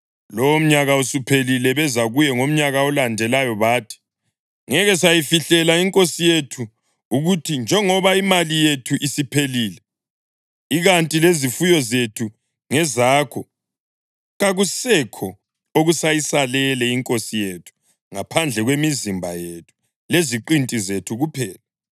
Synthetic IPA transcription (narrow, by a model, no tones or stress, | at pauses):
lɔwom̩ɲaɣausupʰelilɛβɛzaɣujɛŋom̩ɲaɣaɔlandʱɛlajɔβaːtʰi̥ | ŋɛɣɛsajifiɬɛlaiŋkʼosijetʰu | uɣutʰind͡ʒʱɛŋɔβaimalijetʰuʔisipʰeliːlɛ | iɣantʼilezifujɔzetʰu | ŋɛzaːkʰɔ | ɣaɣusɛkʰɔ | oɣusajisalɛlɛiŋkʼosijetʰu̥ | ŋapʰand͡ɮʱɛɣwemizimbʱa̰jetʰu̥ | leziǃintʼizetʰuɣupʰɛːla